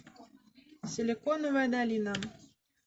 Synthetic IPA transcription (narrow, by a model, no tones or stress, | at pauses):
sʲelʲekonuvad̪alʲinam